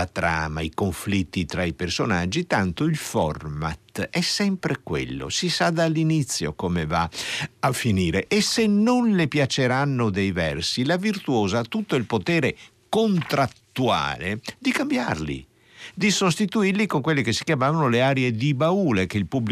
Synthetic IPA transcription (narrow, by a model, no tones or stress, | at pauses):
at̪ɾa̰ːmaikoɱflit̪ːit̪ɾaipersona̰d͡ʒːit̪ant̪oilfɔ̰rma̰t̪ɛsːɛmpɾekwḛlːo̰sisad̪alːinit̪sːjo̰komevaafːiniːɾeʔesenːonlepjat͡ʃeɾanːod̪ejvɛrsilavirt̪uoːzat̪ːut̪ːoilpot̪ɛːɾe | kont̪ɾat̪ːua̰ːlḛd̪ikambja̰rlḭ | d̪isost̪it̪uirlikoŋkwelːikesːi̥kjamaːvanoleaːɾied̪ibauːlekeilpubːl